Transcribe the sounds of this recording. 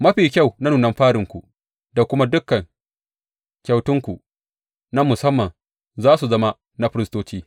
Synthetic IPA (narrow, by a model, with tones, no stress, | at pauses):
mɐ˦ɸiː˨kʲa˦˨wna˦nuː˨nɐ˦mɸaː˦ɽɪ˨ŋkʷu˨ | da˨kʷʊ˦ma˦dʊ˦kːɐ˨ŋ | kʲa˨wtʊ˦ŋkʷu˨ | na˦mʊ˨sɐ˦mːɐ˨n | zaː˦su˨zɐ˦ma˦ | na˦ɸɪ˦ɾɪ˦stoː˦t͡ʃiː˦